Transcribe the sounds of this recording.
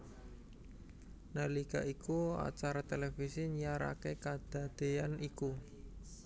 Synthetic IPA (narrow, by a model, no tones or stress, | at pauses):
nəlika̰ʔikua̰t͡ʃaɾat̪elefisiɲjaɾa̰kekad̪̥a̤d̪̥e̤janiku